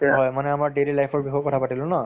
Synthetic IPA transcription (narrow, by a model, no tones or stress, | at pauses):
ɦɔjmanɛamaɹdelilajpʰɔɹbixɔkɔtʰapatilʊ̃na